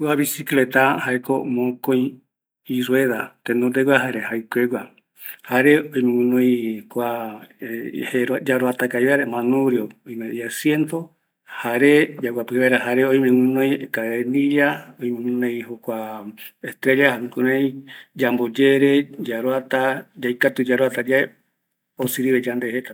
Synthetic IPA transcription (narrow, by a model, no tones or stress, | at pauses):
waβisiklet̪ahaekomõkõj̃ | iɾweðat̪enõd̪eɡwaɦaɾehajkʷeɡa | haɾeojmẽwɨ̃nõj̃kʷa | heɾad͡ʒaɾoat̪akaiβeaɾemãnũɾjoojmejasjent̪o | haɾed͡ʒawapɨβaeɾahaɾeojmẽwɨ̃nõjkaeniʎaojmẽwɨnẽjhokʷaest̪ɾed͡ʒahãkuɾẽĩd͡ʒambod͡ʒeɾed͡ʒaɾoat̪ad͡ʒajkat̪ud͡ʒaɾoat̪ad͡ʒae | osiɾiβed͡ʒand̪ehet̪a